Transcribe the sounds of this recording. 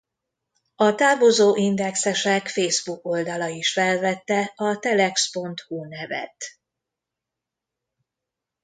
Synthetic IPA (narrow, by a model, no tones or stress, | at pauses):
ɒt̪aːvozoːʔind̪ɛksɛʃɛkfeːzbuko̞ld̪ɒlɒiʃfɛlvɛt̪ːɛɒt̪ɛlɛkspo̞nt̪hunɛvɛ̰t̪